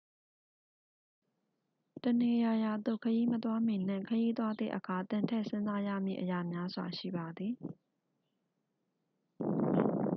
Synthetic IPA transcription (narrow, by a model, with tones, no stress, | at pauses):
tə˨ne˨ja˨ja˨d̪o̰˦˨kʰəji˦mət̪wa˦mɪ̃˨n̥ɪ̰̃˦˨kʰəji˦t̪wa˦d̪ðḛ˦˨ʔəkʰa˨t̪ɪ̃˨ntʰɛ˦ʔsʰɪ̃˦nza˦ja̰˦˨mjḭ˦˨ʔəja˨mja˦zwa̰˨ʃḭ˦˨ba˨d̪i˨